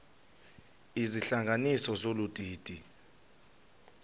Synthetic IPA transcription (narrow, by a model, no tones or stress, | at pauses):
iziɬaŋɡʱanisɔzolutʼiːtʼi